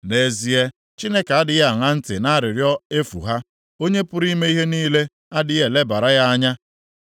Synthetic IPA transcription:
ne˨zi˨e˦ | t͡ʃi˦ne˦ka˦dɪ˨ja˨ŋa˦n̩˦tɪ˨na˦a˦˨ɾɪ˨ɾjɔ˦e˦fṵ˨ɦa˦ | o˦ɲe˦pʊ˦ɾi˦me˦i˦ɦe˦niː˦le˦ | a˦dɪ˦je˨le˦ba˨ɾa˦ja˦a˦ɲa˦

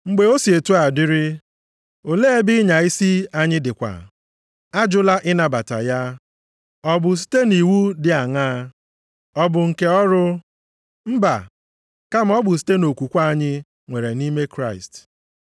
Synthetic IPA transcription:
ŋ͡m̩˦ɡ͡be˨o˦si˨e˨tu˦a˨dɪ˦ɾɪ˦ | o˨le˦e˦bɪ˦ɲa˨i˦si˦a˦ɲɪ˦dɪ˨kʷa̰˨ | a˦d͡ʒʊ˦la˦ʔɪ˦na˨ba˨ta̰˨ja˦ | ɔ˦bʊ˨s̬i̥˦te˦ni˨wu˦dɪ˨a˨ŋaː˦ | ɔ˦bʊ˨ŋ̩˨ke˨ɔ˦ɾʊ˦ | m̩˦ba̰˨ | ka˦m̩˦ɔ˦bʊ˨s̬i̥˦te˦no˨kʷu˨kʷa˦˨ɲɪ˦ | ŋʷe˨ɾe˨ni˦me˦kɾa˦˨ɪ̰˨st

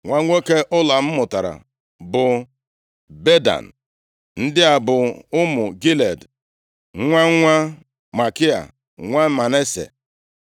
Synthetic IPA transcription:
ŋʷa˦ŋʷe˦ke˦ʔʊ˦la˨m̩˦mʊ˨ta˨ɾa̰˨ | bʊ˨ | be˦da̰˨n̩˨ | n̩˦dɪ˦a˨bʊ˨ʊ˦mʊ˨ɡi˦le˨d | ŋʷa˦ŋʷa˦ | ma˨kɪ˦a̰˨ | ŋʷa˦ma˨ne˦sḛ˨

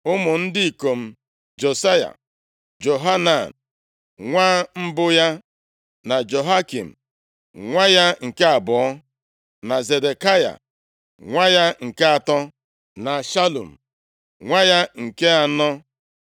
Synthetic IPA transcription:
ʊ˦mʊ˨n̩˦dɪ˦i˨ko˨m̩˦ | d͡ʒo˨sa˦ja̰˨ | d͡ʒo˨ɦa˦na˨n | ŋʷaː˦m̩˦bʊ˦ja˦ | na˨d͡ʒo˨ɦa˦kḭ˨m̩˨ | ŋʷa˦ja˦ŋ̩˨ke˦a˨bɔ˨ɔ˦ | na˨ze˨de˨ka˦ja̰˨ | ŋʷa˦ja˦ŋ̩˨ke˦a˨tɔ˦ | na˨ʃa˦lṵ˨m̩˨ | ŋʷa˦ja˦ŋ̩˨ke˦a˨nɔ˦

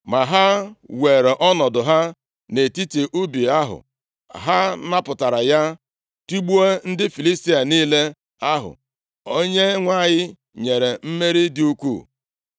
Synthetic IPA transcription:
ma˨ɦa˦we˨ɾe˨ʔɔ˦nɔ˨dʊ˨ɦa˦ | ne˨ti˦ti˨ʔu˦bi˨a˦ɦʊ̰˨ | ɦa˦na˦pʊ˨ta˨ɾa˨ja˦ | ti˦ɡ͡bu˦e˦n̩˦dɪ˦fi˨li˦sti˦a˨niː˦le˦ | a˦ɦʊ̰˨ | o˦ɲe˦ŋʷa˦˨ɲɪ˦ | ɲe˨ɾe˨m̩˦me˦ɾi˦dɪ˦u˦kʷṵː˦˨

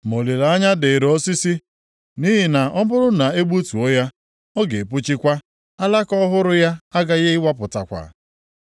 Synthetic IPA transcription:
mo˨le˨la˨a˦ɲa˦dɪ˨ɾɔ˦si˦si˦ | ni˦ɦi˨na˨ʔɔ˦bʊ˦ɾʊ˦na˨e˦ɡ͡bu˦tu˨o˦ja˦ | ɔ˦ɡe˨pʊ˦t͡ʃi˦kʷa˦ | a˦la˦kɔ˦ɦʊ˦ɾʊ˦ja˦a˦ɡa˦ɣe˦ɪ˦wa˦pʊ˨ta̰˨kʷa̰˨

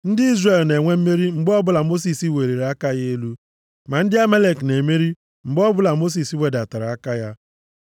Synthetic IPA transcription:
n̩˦dɪ˦i˦zre˨lne˨ŋʷe˦m̩˦me˦ɾi˦ŋ͡m̩˨ɡ͡bɔ˦bʊ˦la˨mo˦s̬i˨si˦we˨ɾe˨ɾe˨a˦ka˦je˦lu˦ | ma˨n̩˦dɪ˦a˦me˦le˨kne˨me˦ɾi˦ | ŋ͡m̩˨ɡ͡bɔ˦bʊ˦la˨mo˦s̬i˨si˦we˨da˨ta˨ɾa˨a˦ka˦ja˦

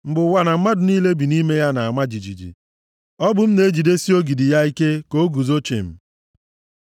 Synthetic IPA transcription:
m̩˦bʊ˨wa˨na˨m̩˦ma˦dʊ˨niː˦le˦bi˨ni˦me˦ja˦na˨a˨ma˦d͡ʒi˨d͡ʒḭ˨d͡ʒḭ˨ | ɔ˦bʊ˨m̩˦ne˨˦d͡ʒi˨de˦si˦o˦ɡi˨di˨ja˦i˦ke˦ko˦ɡu˨zo˦t͡ʃḛ˨m̩˨

